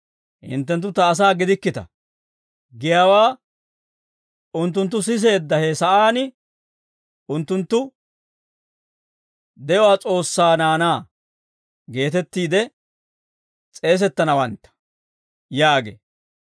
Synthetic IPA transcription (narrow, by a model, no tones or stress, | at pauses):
hɪ̰nt̪ːɛnt̪̬ːʊt̪ɐːs̬aːɡɪd̪ɪkːɪt̪ɐ̰ | ɡɪjawaː | ʊnt̪ːʊnt̪̬ːʊs̬ɪs̬e̞ːd̪ːɐhesɐʔaːnɪ | ʊnt̪ːʊnt̪ːʊ | d̪ɛjɔwaːt͡sʼo̞ːsːaːnaːnaː | ɡe̞ːt̪ɛt̪ːiːd̪ɛ | t͡sʼe̞ːs̬ɛt̪ːɐnɐwɐnt̪ːɐ̥ | jaːɡḛː